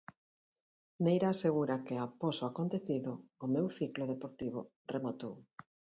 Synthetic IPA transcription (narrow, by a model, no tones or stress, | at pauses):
nejɾaːseɣuɾakɪaposoakont̪eθiðʊːmewθikloðepoɾt̪iβ̞ʊ̰ | remat̪ow